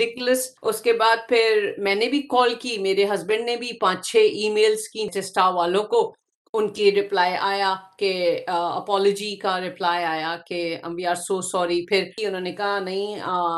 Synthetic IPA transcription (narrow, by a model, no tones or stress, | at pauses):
ɪkləsʊskebaːd̪̚pʰɪɾmɛ̃ːnebʱikɔːlkimeːɾeɦɐzbə̃ɳɖnebʱipãːt͡ʃt͡ʃʰeʔiːmeːlskiʈɛsʈaʋaːlõko | ʊnkiɾɪplaːjʔaːjakeɐ̰pɔːloːd͡ʒikaɾɪplaːjaːjakeɐ̰̃mʋiaːɾsoːsɔːɾipʰɪɾʊnɦõːnekɐɦanɐɦĩ